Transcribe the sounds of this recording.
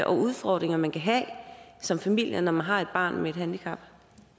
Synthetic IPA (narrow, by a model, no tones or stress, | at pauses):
ʔɒ̽ʔuð̞ˠfɒ̰ːd̥ʁeŋɐmænkʰæɦɛ̰sɒ̽mfæmil̰jɐnɒmænɦɑ̈e̝d̥̚b̥ɑ̰̈ːnmee̝d̥ɦænd̥ikʰɑ̈b̥